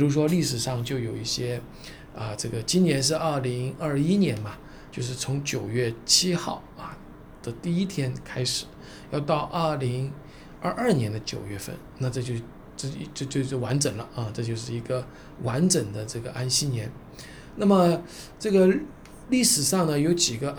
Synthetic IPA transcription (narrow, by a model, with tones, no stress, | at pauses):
pi˨˩ɻu˧˥ʂ̬wɔ˥li˥˩ʂɻ̩˨˩ʂɑ˥˧ŋt͡ɕjo˥˩ʊjo˨˩ʊḭ˥˩ɕjɛ˥ | ə˧ʈ͡ʂɤ˥˩ɡə˩t͡ɕi˥nnjɛ˧˥nʂ̬ɻ̩˥˧ɐ˞˥˩li˧˥ŋɐ˥˧i˥njɛ˧˥nmɐ˨ | t͡ɕjo˥˧ʊʂ̬ɻ̩˥˩t͡sʰʊ˧˥ŋt͡ɕjo˨˩ʊɥɛ˥˩t͡ɕʰi˥xɑ̰˥˩ʊɐ˨ | d̪̥ə˨t̪i˥˩i˥t̪ʰjɛ˥nkʰa˥ɪʂɻ̩˨˩˦ | jɑ˥˧ʊt̪ɑ˥˧ʊʔə˞˥˩li˧˥ŋ | ə˞˥˧ʔɐ˞˥˩njɛ˧˥nd̪ə˧t͡ɕjo̰˨˩ʊɥɛ˥˧fə̰˥˩nna˥˧ʈ͡ʂɤ˥˧t͡ɕjo˥˧ | ʈ͡ʂt͡ɕo˥˧t͡ɕjo˥˧ʊʂ̩˥˩wa˧˥nʈ͡ʂə˨˩ŋlə˦ɐ˥˧ʈ͡ʂɤ˥˧t͡ɕjo˥˧ʊʂ̬ɻ̩˥˩i˧˥ɡə˧ | wa˧˥nʈ͡ʂɤ˨˩ŋd̪ə˦ʈ͡ʂɤ˥˩ɡə˩ʔa˥nɕi˥njɛ˧˥n | na˥˩mə˨˩ | ʈ͡ʂɤ˥˩ɡə˩ | li˥˩ʂɻ̩˨˩ʂɑ˥˩ŋnə˩jo˧˥ʊt͡ɕi˨˩ɡə˦